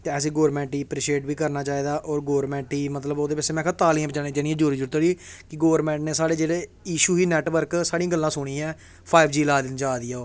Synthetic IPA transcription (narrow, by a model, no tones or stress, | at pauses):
t̪eəs̬ĩːɡoːɾmɛ̃ːɳʈiːpɾiːʃeːʈʋiːkəɾnaːt͡ʃaːiːd̪aːʔɔːɾɡoːɾmɛ̃ːɳʈiːmət̪ləboːd̪eːpɛseːmɛ̃ːkʰat̪aːliãːbd͡ʒaːnẽːd͡ʒɛːnĩɛ̃d͡ʒoːɾiːd͡ʒʊɽt̪ad͡ʒiːkɪɡoːəɾmɛ̃ːɳʈneːsaːɽeːd͡ʒeːɽeː | iːʃuːɦiːnɛːʈʋəɾksaːɽiãːɡəlːãːsʊɽ̃ĩːɛː | pʰaːɪbd͡ʒiːlaːd̪ɪnd͡ʒaːd̪ɪjaːoː